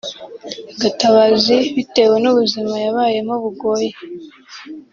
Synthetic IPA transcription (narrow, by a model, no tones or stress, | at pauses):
ɡataβaziβite̞we̞nuβuzimajaβaːje̞moβuɡo̞ːje